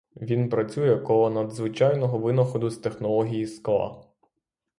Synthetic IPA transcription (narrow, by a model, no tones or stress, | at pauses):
ʋʲinpɾɐt͡sʲujɛkɔɦɔnɐd̪zʋɪt͡ʃɑjnɔɦɔʋɪnɔxɔd̪ʊst̪e̞xnɔlˠɔɦʲijisklˠɑ̰